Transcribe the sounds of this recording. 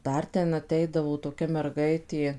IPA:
ˈdɐr ˈtʲɛn ɐˈtʲɛɪdɐʋoː toːˈkʲɛ mʲɛrˈɡɐɪtʲeː

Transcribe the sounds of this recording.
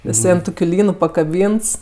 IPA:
jɪˈsɐɪ ɐn ˈtoːkʲʊ ˈlʲiːnʊ pɐkɐˈbʲiːnts

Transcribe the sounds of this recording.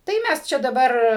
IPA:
tɐɪ ˈmʲæs ˈt͡ʃʲɛ dɐˈbɐr

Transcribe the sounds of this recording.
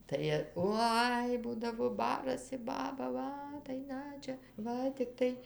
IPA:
tɐɪ ˈoːɪ ˈbuːdɐʋoː ˈbɑːrɐsʲɪ ˈbɑːbɐ ˈʋɐ tɐɪ ˈnɐ t͡ʃʲɛ ˈʋɐ tʲɪkˈtɐɪ

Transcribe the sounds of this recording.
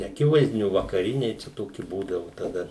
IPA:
nʲɛɐˈkʲɪʋɐɪzʲdʲɪnʲʊ ʋɐkɐˈrʲɪnʲɛɪ t͡ʃʲɛ ˈtoːkʲɪ ˈbuːdɐʋʊ tɐˈdɐ

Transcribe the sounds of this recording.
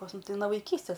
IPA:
pɐs ˈmʊm ˈtɐɪ noː ʋɐɪˈkʲiːsʲtʲɛs

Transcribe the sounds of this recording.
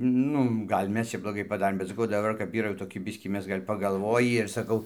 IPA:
ˈnʊ ˈɡɐlʲ ˈmʲɛs t͡ʃʲɛ blˠoːˈɡɐɪ pɐˈdɑːrʲeːm bʲɛt sɐˈkɐʊ dɐˈbɐr ˈkɐp ˈiːrɐ jɛʊ toːˈkʲɪ ˈbʲɪsʲkʲiː ˈmʲɛs ˈɡɐlʲ pɐɡɐlˠˈʋoːjiː ɪr sɐˈkɐʊ

